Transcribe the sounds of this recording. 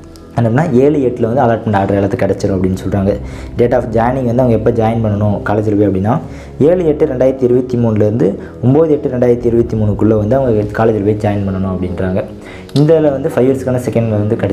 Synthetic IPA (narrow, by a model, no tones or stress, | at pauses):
ɛnːɐpɐnːaːeːɭɯjɛʈːɪlɐʋɐnd̪ɯɐlaːɾʈmɛɳɖaːʈɐɾɐɛɭɐt̪ːɯkːɐɽɛt͡ʃːɐɽʊ̃ɐpːɐɽɪnːɯsɔlɾaːŋɡɐɖeːʈːaːfd͡ʒaːjnɪŋɡʋɐnd̪ɯɐʋɐŋɡɐɛpːɐd͡ʒaːjɐnpɐɳːɐɳʊ̃kaːlɐd͡ʒɪɾɯʋeːɐpɐɽɪnːaː | eːɭɯɛʈːɯɾɛɳɖaːjɪɾɐt̪ːɯɪɾɯbɐt̪ːimuːnlɐɾɯnd̪ɯ | ʊmboːðɯɛʈːɯɾɛɳɖaːjɪɾɐt̪ːiɪɾɯbɐt̪ːimuːɳɯkːʊɭːɐʋɐnd̪ɯɐʋɐŋɡɐkaːlɛd͡ʒɪɾɯʋeɐd͡ʒaːjɪnpɐɳːɐnʊ̃ɐpːɐɽɪnɾaːŋɡɐ | ɪnd̪ɐɪlɐʋɐnd̪ɯfɐɪʋiɐɾskːaːnɐsɛkːɐɳɖlɐʋɐnd̪ɯkɐɽɛ